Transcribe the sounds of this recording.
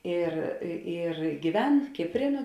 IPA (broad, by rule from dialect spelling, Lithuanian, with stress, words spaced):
ɪr ɪ ɪr ɡʲiːˈʋʲɛn ˈkʲɪpʲˌrʲeː nuɔ